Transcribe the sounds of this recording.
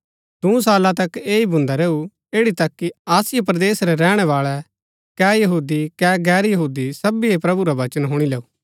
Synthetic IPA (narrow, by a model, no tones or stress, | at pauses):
d̪ũs̬aːlãt̪ɐkeːibʊ̃nd̪aɾeːu | eːɽit̪ɐkːiaːsɪjəp̬ɾd̪eːsɾɛɾɛːɽ̃ɛʋaːɭɛ | kɛːjɐɦuːd̪ikɛːɡɛːɾjɐɦuːd̪isɐbiepɾɐbuɾaʋɐt͡ʃənɦʊɽ̃ilɛːuː